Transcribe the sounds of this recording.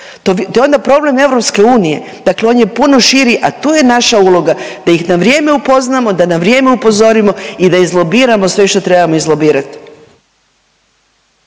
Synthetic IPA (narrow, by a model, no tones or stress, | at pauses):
t̪ot̪ojeo̞nd̪apɾo̞ble̞me̞vɾo̞pske̞uːnije̞̰d̪akleo̞ːnje̞puno̞ʃiɾiʔat̪uːje̞naʃaulˠo̞ɡad̪̥ajixnaʋɾje̞ːme̞upo̞znamo̞d̪anaʋɾje̞ːme̞upo̞zo̞ɾimo̞id̪aizlˠo̞biːɾamo̞sʋe̞ʃt̪o̞t̪ɾe̞bamo̞izlˠobiːɾat̪i̥